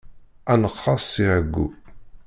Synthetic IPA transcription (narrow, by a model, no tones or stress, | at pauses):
ænəqːɑsˤːiʕəɡːṵ